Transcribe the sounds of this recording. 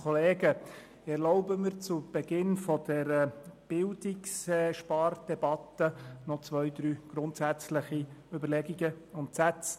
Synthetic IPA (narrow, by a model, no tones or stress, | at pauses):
ɔleːɡə | ɛɾlɔʊbəmɪɾt͡sub̥ɛɡɪnfɔd̥ɛɾəb̥ɪldiksʃpɑrd̥ɛbɑt̪ənɔt͡sʋœjd̪ɾyːɡ̥ɾʊntsæt͡sləχiʏbəɾlɛɡiɡəʊntsæt͡s